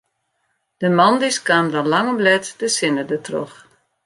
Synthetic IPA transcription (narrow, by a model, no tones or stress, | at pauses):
d̥əmɔndiskaːmdɔlaŋəblɛtd̥əsɪnədətro̰χ